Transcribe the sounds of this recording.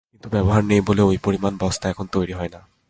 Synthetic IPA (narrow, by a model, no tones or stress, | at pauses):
kint̪ubɛbɔɦaɹnejboleojpoɹimanbɔst̪ʰaɛkʰɔnt̪ojɹiɦɔjna